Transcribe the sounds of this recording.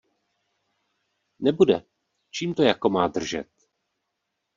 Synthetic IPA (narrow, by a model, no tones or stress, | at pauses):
nɛbudɛ | t͡ʃiːmt̪o̞jako̞maːd̪r̩ʒɛ̰t̪